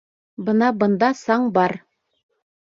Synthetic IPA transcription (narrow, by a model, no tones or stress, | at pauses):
bɤnɑbɤ̆nd̪ɑsɑɴbɑɾ